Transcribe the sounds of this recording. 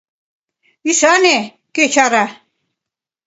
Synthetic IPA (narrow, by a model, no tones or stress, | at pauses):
isanɛ | ket͡ʃʰaɾa